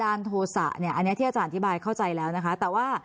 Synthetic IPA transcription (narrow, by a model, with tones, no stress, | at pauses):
aː˧nt̪ʰoː˧sa̰˨˩ʔni˥˩ɐʔa˧nːi˦˥ɐt̪ʰi˥˩a˧t͡ɕaː˧nʔa˧t̪ʰbaː˧jkʰa˥˩wt͡ɕa˧jlɛː˦˥wna˦˥kʰa˦˥t̪ɛː˨˩waː˥˩